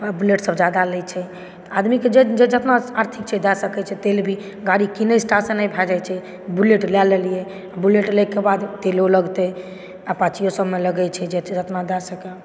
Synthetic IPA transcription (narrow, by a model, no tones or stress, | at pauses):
əbuleʈsəbd͡ʒad̪alɛt͡ʃʰɛ | t̪ad̪miked͡ʒed͡ʒed͡ʒət̪naaɾt̪ʰik̚t͡ʃɛd̪ɛsəkɛt͡ʃʰɛt̪elbʱi | ɡaɽikinəsʈasənabʱad͡ʒajt͡ʃʰɛ | buleʈlɛlelijɛ | abuleʈlɛkebad̪t̪eloləɡt̪ɛ | apãt͡ʃijosəbmeləɡɛt͡ʃʰɛd͡ʒed͡ʒət̪nad̪ɛsəkɛ